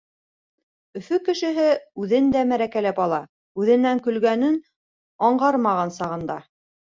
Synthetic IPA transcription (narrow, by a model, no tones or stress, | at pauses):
ɵ̆fɵkɘ̆ʃɘ̆ɦɘʉðɘnd̪æmæɾækælæpɑlˠɑ | ʉðɘ̆nːæŋkɵ̆lɡænɘn | ɑɴɢɑɾmɑʁɑnsɑʁɤ̆nd̪ɑ